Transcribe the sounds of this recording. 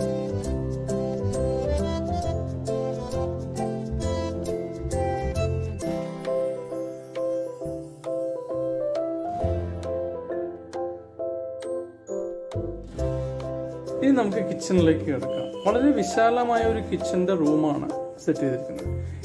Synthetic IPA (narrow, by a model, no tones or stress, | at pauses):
iðɨnɐmukːɨkit͡ɕːɐnile̞ːkːɨkɐɽɐkːa̰ːmʋɐɭɐɾe̞ʋiɕaːlɐmaːjɐo̞ɾukit͡ɕːɐnderuːmaːɳɨ̰sɐtːeðiɾkʲːunːɐðɨ